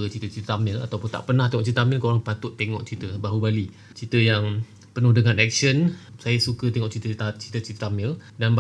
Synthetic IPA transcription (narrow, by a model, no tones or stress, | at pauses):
ət͡ʃit̪ət͡ʃit̪əamɪla̰t̪awpʊnt̪a̰ʔpənaht̪eŋɔʔt͡ʃit̪amɪlkoɾaŋpat̪ʊt̪ːeŋɔ̰ʔ̚t͡ʃit̪əbaɦubali | t͡ʃit̪əjaŋ | pənʊhdəŋãnɛk̚sənsajasukət̪eŋɔʔt͡ʃit̪əat͡ʃit̪ət͡ʃit̪əamɪldanba